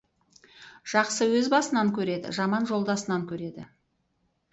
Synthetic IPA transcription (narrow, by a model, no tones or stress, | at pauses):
ʒ̥ɑqsəwɵzbɑsənɑŋkʲʰɵɾe̞d̪ɪ̰ʒɑmɑnʒo̞lˠd̪ɑsənɑŋkʲʰɵɾe̞d̪ɪ̰